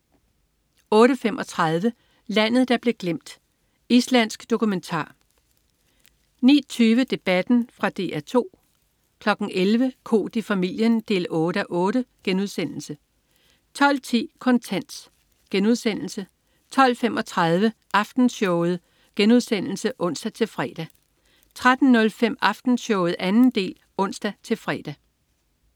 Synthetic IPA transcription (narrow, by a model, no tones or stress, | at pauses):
ɔ̽ːɾəfem̰ʔɒ̽t͡sʰʁɑð̞ˠʋə | læn̰ð̞̩ˠd̥ɑ̈b̥le̝ɡ̥lem̰d̥ | islæn̰sɡ̥d̥o̝kument͡sʰɑ̰̈ː | nḭːt͡sʰyːʋəd̥e̝b̥æd̥n̩fʁɑ̈d̥e̝̰ʔæɐt͡sʰo̝̰ː | kʰlɒ̽ɡ̥n̩ʔelʋəkʰo̝̰ːd̥ifæmil̰jənd̥e̝̰ːlɔ̽ːɾ̥æʔɔ̽ːɾəɡ̥enuðˠsen̰l̩sə | t͡sʰɒ̽l̰t͡sʰḭːkʰɒ̽nt͡sʰæn̰s | ɡ̥enuð̞̰ˠsen̰l̩sə | t͡sʰɒ̽l̰femʔɒ̽t͡sʰʁɑðˠʋə | ʔɑ̈fd̥n̩sɔʊð̩ˠ | ɡ̥enuð̞ˠsen̰l̩səʔɔ̽n̰sd̥æt͡sʰe̝lfʁɛ̰ːd̥æ | t͡sʰʁad̥n̩ːɔ̽lfem̰ɑ̈fd̥n̩sɔʊð̩ˠænn̩d̥e̝̰ːl | ɔ̽n̰sd̥æt͡sʰe̝lfʁɛːd̥æ